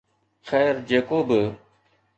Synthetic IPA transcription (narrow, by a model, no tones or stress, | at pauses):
xɛːɾd͡ʒeːkoːbɪ